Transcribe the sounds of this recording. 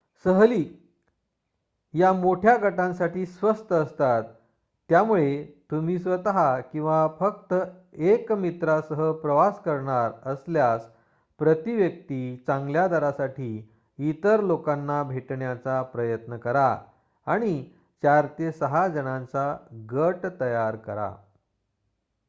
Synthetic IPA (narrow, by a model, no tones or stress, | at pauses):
səɦliː | jamoʈʰjaɡəʈãnsaʈiːsʋəst̪əəst̪at̪ː | jamuɭet̪um̤iːsʋət̪əɦakĩw̃ʋafək̚t̪əekmit̪ɾasəɦəpɾəʋaskəɾɳaɾəsljas | pɾət̪iʋjək̚t̪it͡sãŋɡljad̪aɾasaʈʰiː | it̪əɾlokanːabʱeʈɳjat͡sapɾəjət̪nəkəɾa | aɽ̃i | t͡ɕaɾt̪jesəɦad͡zəɽãnt͡saɡəʈt̪əjaɾkəɾa̰